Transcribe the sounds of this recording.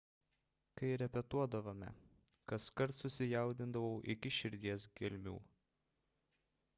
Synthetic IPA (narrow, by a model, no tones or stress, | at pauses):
kɐɪɾʲɛpʲɛt̪uɔd̪ɐʋɐmʲɛ̰ | kɐskɐɾt̪sʊsʲɪjɛˑʊd̪ʲɪnd̪ɐʋɐʊʔɪkʲɪʃʲɪɾʲd̪ʲiɛsɡʲɪlʲmʲṵː